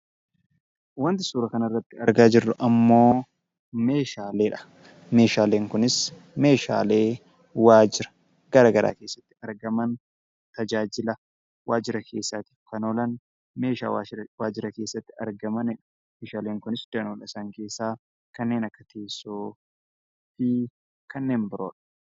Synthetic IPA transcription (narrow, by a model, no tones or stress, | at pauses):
wɐnt̪ɪsuːɾɐkɐnɐrːɐt̪ːɪɐɾɡaːd͡ʒɪrːʊʔɐmːo̞ː | me̞ːʃaːleːᶑɐ̥ | me̞ːʃaːleːŋkʊnɪs | me̞ːʃa̰ːle̞ː | waːd͡ʒɪɾɐ̥ | ɡ̥ɐɾaːɡɐɾa̰ːke̞ːsːɐ̥t̪ːɪ̥ɐɾɡɐmɐn | t̪ɐd͡ʒaːd͡ʒɪlɐ | wʔaːd͡ʒɪɾɐkʰe̞ːsːaːt̪i̥ːfkɐnoːlɐn | me̞ːʃa̰ːwaːd͡ʒɪɾɐkeːsːɐt̪ːɪ̥ɐɾɡɐmɐnɪᶑɐ̥ | meːʃaːleːŋkʊnɪsd̪̥ɐnoːlɐsɐŋke̞ːsːaː | kɐnːeːnɐkːɐt̪ʰeːsːoː | fɪ | kɐnːe̞ːmbɪɾo̰ːᶑɐ̥